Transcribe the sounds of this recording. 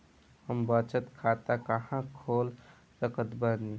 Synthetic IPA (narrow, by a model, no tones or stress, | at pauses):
həmbət͡ʃət̪kʰat̪akəhãkʰol | səkət̪bəɾni